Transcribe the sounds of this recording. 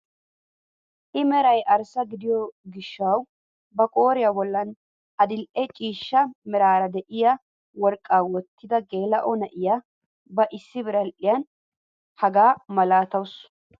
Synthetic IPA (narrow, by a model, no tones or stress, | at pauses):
ʔɪmɛɾɐjʔɐɾsɐɡɪd̪ɪjɔɡɪʃːɐw | bɐkʼo̞ːɾɪjɐbɔlːɐn | ɐd̪ɪlʔɛt͡ʃʼiːʃːɐmɛɾaːɾɐd̪ɛʔɪjɐ | wɔɾkʼːaːwɔt̪ːɪd̪ɐɡe̞ːlɐʔɔnɐʔɪjɐ | bɐʔɪsːɪbɪɾɐlʔɪjɐn | hɐɡaːmɐlaːt̪ɐws